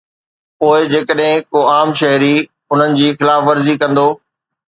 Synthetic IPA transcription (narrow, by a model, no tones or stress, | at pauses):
poːɪd͡ʑeːkəɗɦɪ̃koːaːmʃɐɦɾi | ʊn̤ənɪ̆d͡ʑiːxɪlaːfʋɐɾzikɐ̃nd̪oː